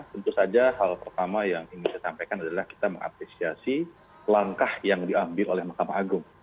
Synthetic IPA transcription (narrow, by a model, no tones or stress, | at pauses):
t̪ənt̪usad͡ʒahalpərt̪amajaŋinisajsampajkanadalahki̥t̪amə̰ŋa̰pɾesiasi | laŋkahjaŋdiambɪlolɛhmakamaːɡʊŋ